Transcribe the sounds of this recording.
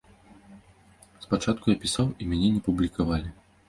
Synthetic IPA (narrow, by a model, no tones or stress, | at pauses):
spat͡ʂat̪̚kʊjapʲisawimʲanʲɛnʲɛpublʲikavalʲi